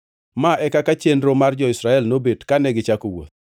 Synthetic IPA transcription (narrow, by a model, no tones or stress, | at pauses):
maʔɛkakat͡ʃenɾomard͡ʒɔɪsɾaɛlnobedkanɛɡɪt͡ʃakowo̰t̪̚